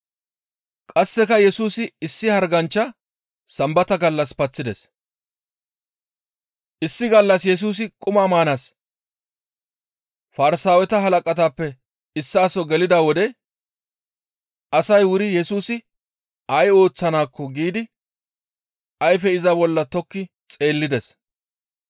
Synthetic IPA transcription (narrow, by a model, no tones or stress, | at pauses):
kʼɐsːɛkɐjɛsuːsɪɪsːɪhɐɾɡɐnt͡ʃːɐ | sɐmbɐt̪ɐɡɐlːɐspɐt͡sːɪd̪ɛs | ʔɪsːɪɡɐlːɐsjɛs̬uːs̬ɪkʼʊmaːmaːnas | fɐɾɪsaːwɛt̪ɐɦɐlɐkʼɐt̪aːpːɛ | ɪsːaːsɔɡɛlɪd̪aːwɔd̪ɛ | ʔɐsɐjwʊɾɪjɛsuːsɪ | ɐjo̞ːt͡sːɐnaːkːɔɡiːd̪ɪ | ɐjfɛɪzɐbɔlːɐt̪ɔkːɪ | t͡sʼe̞ːlːɪd̪ɛs